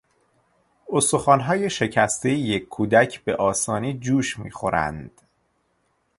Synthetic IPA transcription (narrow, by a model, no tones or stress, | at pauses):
ost̪oxɒːnɦɒːje̞ʃe̞cʰæst̪ejjekʰːuːd̪æcʰbe̞ʔɒːsɒːniːd͡ʒuːʃmḭːxo̞ɾæ̰nd̪̥